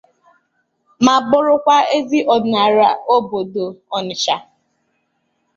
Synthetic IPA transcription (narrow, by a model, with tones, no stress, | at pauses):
ma˨bʊ˦ɾʊ˦kʷa˦e˦zi˦ʔɔ˨da˨ɾa˨o˦bo˨do˨ɔ˨nɪ˨t͡ʃa˨